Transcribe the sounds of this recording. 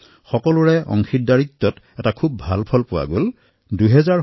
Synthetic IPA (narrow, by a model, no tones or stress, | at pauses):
xɔkɔlʊɹɛʔɔ̰ŋxitdaɹit̪ːɔt | ɛtakʰubːʱalpʰɔlpʊwa̰ɡol | duɦɛzaɹ